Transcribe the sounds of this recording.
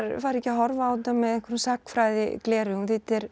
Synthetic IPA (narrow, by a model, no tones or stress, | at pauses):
ɾfaːɾɛcːɪaɦɔɾvaawθɪnt̪amːɛðɛŋ̥kvɛɾmsakfɾajðɪklɛːɾʏŋθɪt̪ɛɾ̥